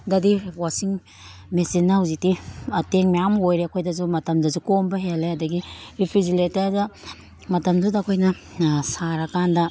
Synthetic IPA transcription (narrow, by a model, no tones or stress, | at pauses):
dadiwasiŋ | mesinːauzitiateŋmeamojɾeakʰojdazumɐtɐmdɐzukombɐɦeleadɐɡiipʰiziletaza | mɐtɐmdudakʰojnɐ | saɾakanda